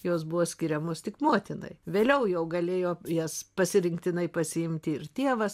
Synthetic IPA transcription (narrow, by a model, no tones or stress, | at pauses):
joːsbʊʋoːsʲkʲɪɾʲɛmoːst̪ʲɪkmuɔt̪ʲɪnɐ̰ɪʋʲeːlʲɛʊjɛʊɡɐlʲeːjoːjɛspɐsʲɪɾʲɪŋkt̪ʲɪnɐɪpɐsʲɪɪmʲt̪ʲɪɪrt̪ʲeɛʋɐs